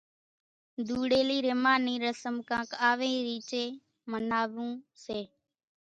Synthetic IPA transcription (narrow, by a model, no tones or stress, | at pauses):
d̪uːɽeːliːɾeːmaːniːɾəsəmkãːkaːʋẽːɾiːt͡ʃeː | mənaːʋũːseː